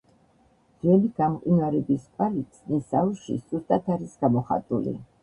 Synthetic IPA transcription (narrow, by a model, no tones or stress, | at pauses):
ʁɛliɡ̥amqʼwinwaɾɛbispʼalit̪sʼnisauʃḭsust̪ʼat̪ʰaɾisɡ̥amɔχa̰t̪ʼṵlḭ